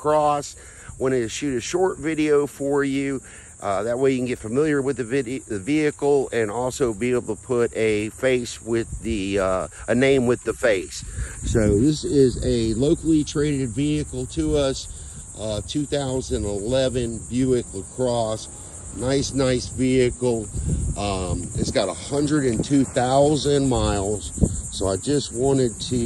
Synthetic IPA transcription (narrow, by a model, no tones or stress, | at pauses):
kʰɹ̥ɔs | wə̃ñɨʃʉɾɨʃɔɹtvɪɾioʊfə˞jʉ | ʔðɨt̚weɪjɨkn̩ɡɛtfɨmɪlˠjə˞wɨðɨɨviɨkl̩ˠɨ̃nɔlˠsoʊbieɪbl̩ˠtʰəpʰʊɾɨfeɪswɪðiʔɨnẽɪ̃mwɨðɨfeɪsːoʊðɪsɪzɨloʊkl̩ˠitʰɹ̥eɪɾɨdviɨkl̩ˠtʰɨʌs | ʔʌtʰʉθaʊzɨ̃nəlɛvɨ̃nbjʉɨkəkʰɹ̥ɔs | naɪsnaɪsviɨkl̩ˠʌ̃mɨ̰tsɡ̥ɑɾəhʌ̃ndɹɨɾɨ̃ntʰʉθaʊzɨ̃nmaɪlˠz̥soʊaɪd͡ʒʌst̚wɑ̃ɾ̃ɨd̚tʰɨ